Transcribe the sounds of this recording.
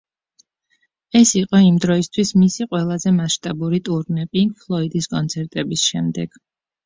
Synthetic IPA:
ɛsiqʼɔimd̪ɾɔist̪ʰwismisiqʼwɛlˠazɛmaʃt̪ʼabuɾit̪ʼuɾnɛpʼipʰlˠɔid̪iskʼɔnt̪sʰɛɾt̪ʼɛbisʃɛmd̪ɛ̰ɡ̥

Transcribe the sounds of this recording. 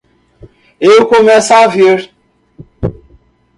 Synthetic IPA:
ewkomɛsaviɾ

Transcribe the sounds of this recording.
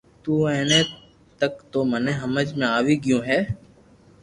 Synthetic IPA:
t̪uːɛ̃ːneː | t̪əkt̪oːmənẽːɦəməd͡ʒmẽaːʋiːɡjũːɦɛː

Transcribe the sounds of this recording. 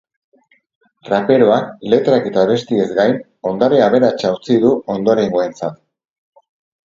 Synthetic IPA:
rape̞ɾo̞ale̞t̪ɾake̞t̪aβ̞e̞st̪ie̞zɡajn | o̞nd̪aɾeaβ̞e̞ɾat͡ʃawt͡siðuo̞nd̪o̞ɾe̞ŋɡoe̞nt͡sat̪

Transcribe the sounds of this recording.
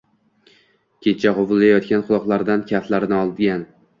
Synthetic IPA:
kʲʰe̞t͡ʃʰaqovʊlˠːajɒt̪kʲanqʰʊlˠɒqlˠaɾd̪ankʲʰaft̪laɾnɪɒlˠd̪ɡʲan

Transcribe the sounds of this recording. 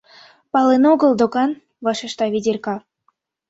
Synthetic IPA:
pɑlenoɡɤ̆lˠd̪okɑn | vɑʃĕʃt̪ɑβʲidʲerʲkɑ

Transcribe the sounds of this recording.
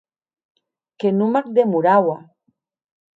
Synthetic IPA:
kenumak̚d̪emuɾawa

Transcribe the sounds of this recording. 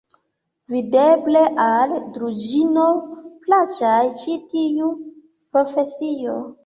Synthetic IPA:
videbleʔaldɾud͡ʒinoplat͡ʃajt͡ʃitiu | pɾo̞fe̞sio

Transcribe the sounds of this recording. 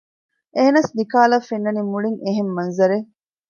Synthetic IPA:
ʔeɦenɐsnikaːlɐfenːɐnimuɭiŋeɦemːɐnzɐɾe

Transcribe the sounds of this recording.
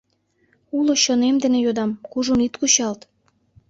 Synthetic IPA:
uloɕonemd̪enejod̪ɑmkuʒunit̪kuɕɑlt̪

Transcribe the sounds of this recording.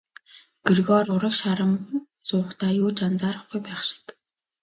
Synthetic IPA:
ɡ̥erɣɔːrʊɾə̆kʃaɾə̆m | sʊːχt̪ʰaːjʊːt͡ɕant͡saːɾə̆χɡujpæːχʃɪ̥̆k̪

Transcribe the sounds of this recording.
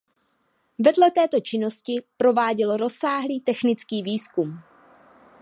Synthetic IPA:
vɛdlɛt̪ɛːt̪o̞t͡ʃɪno̞scɪpɾo̞vaːɟɛlɾo̞saːɦliːt̪ɛxnɪt͡skiːviːskum

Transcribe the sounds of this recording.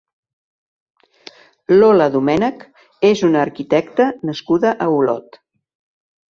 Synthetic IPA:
loləðumɛnək | ezunəːɾkit̪ɛkt̪ənəskuðəʔəulɔ̰t̪

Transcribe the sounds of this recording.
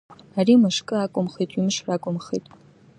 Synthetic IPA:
ariːmɨʂkʼɨaːkʷʼʊmχejtʼimɨʂraːkʷʼʊmχḛtʼ

